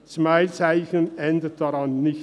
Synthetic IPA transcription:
t͡smaɪlt͡saɪçənɛndət̚d̥ɑɾɑnːɪç

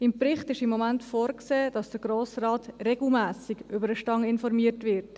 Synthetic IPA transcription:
ɪmpɾɪχtɪʃɪmːɔmæntfoːɾkseːd̥ɑsd̥əɾɡɾoːsrɑːtrɛɡl̩mæːsɪɡʏbəɾəʃtɑŋɪnfɔɾmiətʋɪɾt

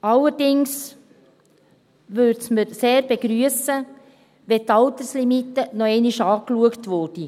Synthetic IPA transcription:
ɑlːəɾdɪŋs | ʋøɾtsməɾseːɾb̥eɡ̥ɾyəsə | ʋɛtɑlt̪əslimitːənɔɛɪniʃɑːkluəktʋʊd̥i

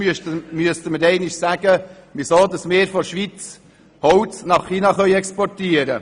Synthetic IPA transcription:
myəstəməɾɛɪnɪʃsæɡ̥əmɪsoːdɑsmɪːɾfɔʃʋit͡s | hɔwt͡snɑχχiːnɑχœʏɛkspɔrtiəɾə

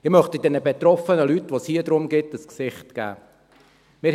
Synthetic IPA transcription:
ɪmœχtid̥ɛnəbet̪ɾɔfənəlytʋoshiːədɾʊmɡɪtəsksɪχtɡ̥æ̰ː | mɪːɾ

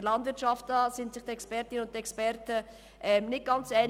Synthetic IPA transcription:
lɑndvɪɾtʃɑftɑːsɪntsɪχtɛkspɛɾtɪnəʊnt̚ɛkspɛɾtə | ʔɛmnɪt̚ɡ̥ɑnt͡sɛɪn

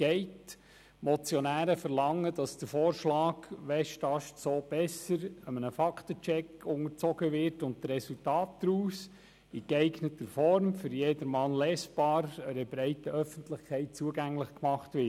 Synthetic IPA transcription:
ɡ̥ɛɪt | mɔt͡sjɔnæːɾəfəɾlɑŋːədɑsd̥əɾfoːɾʃlɑːɡ̥ʋɛʃtɑʃtsoːb̥ɛsəɾəmənəfɑkʰtət͡ʃɛkʊŋəɾt͡sɔɡəʋɪɾtʊnt̚əɛsultɑːt̚d̥ɾuːs | ɪkɛɪɡnətəɾfɔɾmfʏɾjeːdəɾmɑnlɛːsb̥ɑːɾəɾəbɾɛɪtəʔœfəntlɪχkʰɛɪt̚t͡suəɡæŋlɪχkmɑχtʋɪ

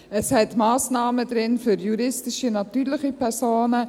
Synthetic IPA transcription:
əshɛtmɑːsnɑːmədɾɪnfyɾjuɾɪstɪʃinɑtyːɾlɪχipʰɛɾsoːnə

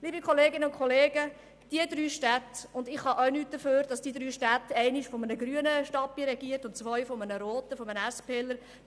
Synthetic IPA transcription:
liːbikʰɔleːɡɪnəʊnkʰχɔleːɡə | d̥iəd̪ɾyːʃtætʊndɪχhɑʔœɥnyːt̚d̥əføːɾd̥ɑsd̥iəd̪ɾyːʃtætɛɪnɪʃfɔmənəɡɾyənəʃtɑpːiəɾɛɡiəɾtʊntt͡sʋœʏfɔmənəɾoːtəfɔmənæspʰeːləɾ

